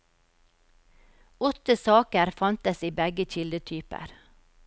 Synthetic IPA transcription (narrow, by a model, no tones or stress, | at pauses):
ɔt̪əsɑːkəɾfɑnt̪əsiːbɛɡəc͡çɪld̪ət̪ʰyːpə̰ɾ